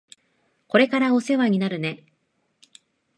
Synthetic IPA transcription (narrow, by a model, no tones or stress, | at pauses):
ko̞ɾe̞kaɾao̞se̞βaɲ̟inaɾɯ̟ne̞